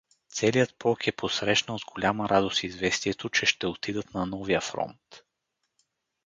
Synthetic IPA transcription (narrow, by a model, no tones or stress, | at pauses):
t̪sɛlijət̪̚pɔkɛposɾɛʃnəlzɡolʲamɐɾʔad̪ost̪izvɛst̪iɛt̪ot͡ʃɛʃt̪ɛot̪id̪ət̪nɐnɔvijəfɾɔ̰nt̪